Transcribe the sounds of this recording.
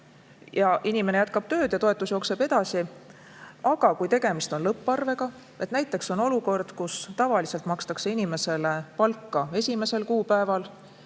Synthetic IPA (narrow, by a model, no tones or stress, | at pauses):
jɑʔinime̞ne̞jæt̪̚kɑb̥t̪ø̞ːd̪̥jɑt̪o̞e̞t̪ːˑusjo̞ːkse̞be̞d̪̥ɑsi | ʔɑɡ̥ɑkujt̪e̞ɡ̥e̞mist̪o̞nlɤpːˑɑrve̞ɡ̥ɑ | e̞t̪næjt̪ːˑe̞kso̞no̞luko̞rd̪̥kust̪ɑvɑliselt̪mɑkst̪ɑkse̞inime̞se̞le̞pɑlkːɑe̞sʲime̞se̞lkuːpæevɑl